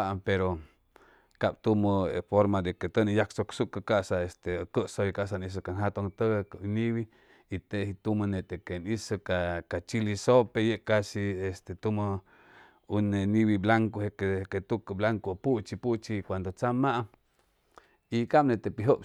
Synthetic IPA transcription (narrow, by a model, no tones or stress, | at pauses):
aʔpeɾo | kab̥t̪umoḛfoɾmad̪eket̪ənejaksoksuʔkəkaʔsaest̪ekəʔsojkaʔs̬anis̬əkanɦat̪oŋt̪əɡkəniβiː | t̪eʔhit̪umənet̪ekenisəkakat͡ʃilisopejeʔkasiest̪et̪umə | uneniβiblaŋkohekeket̪ukəblaŋkopuʔt͡ʃiput͡ʃikʷand̪ot͡samaʔa | ikamnet̪epiɦəp